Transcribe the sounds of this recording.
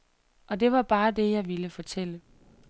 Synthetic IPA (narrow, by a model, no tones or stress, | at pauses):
ʔɒ̽d̥e̝ʋɑ̈b̥ɑ̈ːd̥e̝jɑ̈ɪʋiləfɒ̽t͡sʰel̰ə